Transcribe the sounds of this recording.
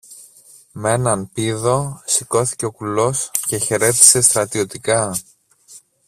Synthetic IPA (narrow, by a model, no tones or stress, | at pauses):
me̞nɐnpiðo̞siko̞θi̥ce̞o̞kulo̞sce̞çe̞ɾe̞t̪i̥se̞st̪ɾɐt̪io̞t̪ikɐ